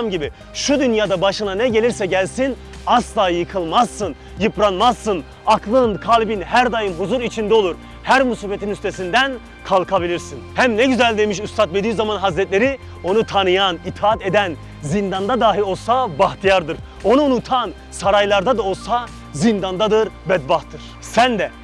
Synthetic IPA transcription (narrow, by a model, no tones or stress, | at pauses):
mɟibi | ʃud̪ynjaːd̪abaʃɯnanɛɟe̞lʲiɾsɛɟælʲsin | aslˠaːjjɯkʰɯlˠmazːɯn | jɯpɾanmazːɯn | akʰlˠɯnkʰaːlʲibinɦæɾd̪ajɯmɦuzuɾit͡ʃʰind̪ɛo̞lˠuɾ | hæɾmusiːfe̞t̪ʰinyst̪ʰe̞sind̪æn | kʰalˠkʰabilʲiɾsinhæmnɛɟyzælʲd̪emiʃust̪ʰat̪ved̪iːzamanɦazɾɛt̪lʲe̞ɾi | o̞nut̪ʰanɯjanit̪ʰaat̪e̞d̪æn | zind̪and̪ad̪aːɦilo̞lˠsabaht̪ʰijaɾd̪ɯɾ | o̞nuːnut̪ʰan | saɾajlˠaɾd̪ad̪ao̞lˠsa | zind̪and̪ad̪ɯɾbɛd̪̚baht̪ʰːɯɾ̥sænd̪ɛ